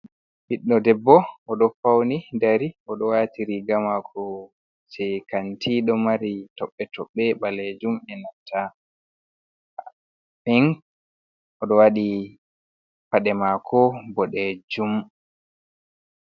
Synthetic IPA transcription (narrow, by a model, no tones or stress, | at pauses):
hiɗːɔdɛbːɔʔɔɗɔfawnidaɾiɔɗɔwatiɾiɡamakʰɔ | t͡ʃɛkantiɗɔmaɾitɔɓːɛtɔɓːɛɓaled͡ʒumɛnatʰːa | ɛŋ | ʔɔɗɔwaɗi | paɗɛmakʰɔbɔɗɛd͡ʒum